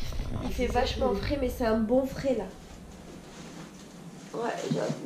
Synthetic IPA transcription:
ilfɛvaʃmɑ̃fχɛmɛsɛɛ̃bɔ̃fχɛla | wɛ̰ʒə̰

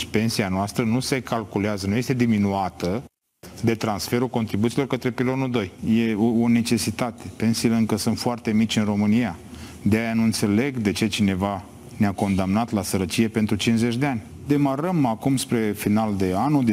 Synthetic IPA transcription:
pe̞nsianoast̪ɾənuse̞kalkuleazənuje̞st̪ed̪iminuat̪ə | d̪e̞t̪ɾansfe̞ɾukot̪ɾibut̪silo̞rkət̪ɾe̞pilo̞nuld̪o̞jje̞oone̞t͡ʃe̞sit̪at̪e̞pe̞nsiileɨŋkəsunt̪foart̪e̞mit͡ʃʲɨnro̞mɨnija | d̪eajanuɨnt̪se̞le̞ɡd̪e̞t͡ʃe̞t͡ʃine̞va | neako̞nd̪amnat̪lasəɾət͡ʃije̞pe̞nt̪ɾut͡ʃinze̞t͡ʃʲd̪eanʲ | d̪e̞maɾəmakumspɾe̞finald̪e̞anud̪

